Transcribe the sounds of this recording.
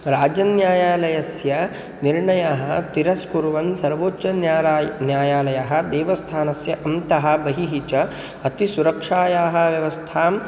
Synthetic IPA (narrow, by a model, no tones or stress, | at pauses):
ɾaːd͡ʒɐnjaːjaːlɐjɐsjɐ | niɾɳɐjaɦɐ̆ɐ̆t̪iɾɐskuɾʋɐnsɐɾʋoːt͡ʃɐnjaːɾaːjnjaːjaːlɐjaɦɐ̆d̪ɛːʋɐst̪ʰaːnɐsjɐʔɐmt̪ɐɦɐ̆bɐɦiɦit͡ʃɐ | ɐt̪isuɾɐkʂaːjaːɦɐ̆ʋjɐʋɐst̪ʰaːm